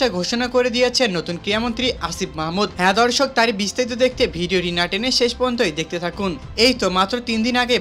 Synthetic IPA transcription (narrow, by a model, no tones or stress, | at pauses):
aɡʱoʃonakoɾed̪ijet͡ɕʰenːot̪unkɾijamont̪ɾiasibmaɦmud̪ɛd̪ɔɾʃok̚t̪aɾibist̪ait̪̬od̪ek̚ʰt̪ebʱiɖioɾinaʈeneʃeʃpɔnd̪ʱojd̪ek̚ʰt̪et̪ʰakun | ejt̪omat̪ːɾot̪ind̪inaɡe